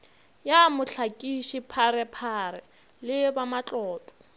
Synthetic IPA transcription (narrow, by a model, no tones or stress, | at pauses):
jamʊɬʰakʼiʃipʰaɾɛpʰaɾɛ | lɪbamat͡ɬʼɔːtʼɔ̥